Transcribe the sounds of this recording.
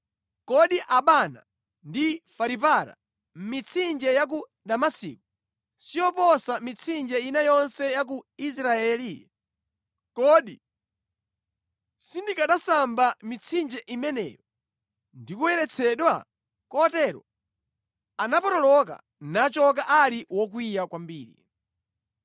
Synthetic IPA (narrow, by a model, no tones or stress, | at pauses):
kɔɗiʔaɓana̰ | ndifaɾipaɾa̰ | m̩mit͡sʰind͡ʒɛjak̬u | ɗamasḭkɔ | sijɔpɔsamit͡sʰind͡ʒɛinajɔnsɛjak̬uis̬ɾaɛli | kɔɗi | sindikaɗasambamit͡sʰind͡ʒɛʔimɛnɛ̰ɾɔ | ndikuwɛɾɛt͡sʰɛɗwa | kɔtɛɾɔ̰ | anapɔtɔlɔka̰ | nat͡ʃɔk̬aʔaliwɔk̬wijakwambiːɾḭ